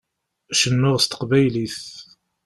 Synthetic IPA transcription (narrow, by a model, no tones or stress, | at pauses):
ʃənːʊʁst̪ə̥qvæjliθ